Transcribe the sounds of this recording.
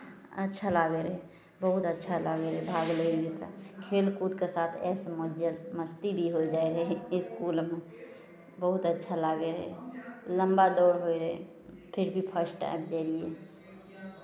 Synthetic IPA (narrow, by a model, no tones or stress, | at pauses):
ə̰tːʃʰalaːɡeɾɦɛ | bəɦʊt̪ətːʃʰalaːɡeɾɦɛbʱaːɡleɾiet̪ʰakʰeːlkud̪kesaːt̪ʰɛ̰ːsməlməst̪ibʱiɦod͡ʒaːeɾɛɪskuːlme | bəɦʊt̪ətːʃʰalaːɡeɾɦɛlə̃mbad̪ɔːɾɦoeɾɛ | pʰɪɾbʱipʰəɾsʈʈa̰ɪbd͡ʒaɾie